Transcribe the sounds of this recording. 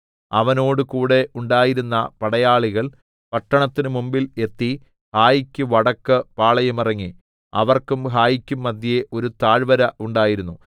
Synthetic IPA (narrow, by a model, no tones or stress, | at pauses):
ɐʋɐno̞ːɽɨkuːɽe̞ʔuɳɖaːjiɾunːɐpɐɽɐjaːɭiɣɐɭ | pɐʈːɐɳɐt̪ːinɨmumbile̞t̪ːi | haːjikʲːuʋɐɽɐkːɨpaːɭɐjumirɐŋːi | ɐ̰ʋɐrkumhaːjikʲːumːɐd̪ʱːijeʔo̞ɾut̪aːɻʋɐɾɐʔuɳɖaːjiɾunːu